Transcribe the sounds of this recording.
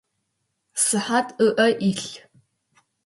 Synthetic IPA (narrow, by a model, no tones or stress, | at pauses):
sɨħatʰʼɨʔɐʔiɬ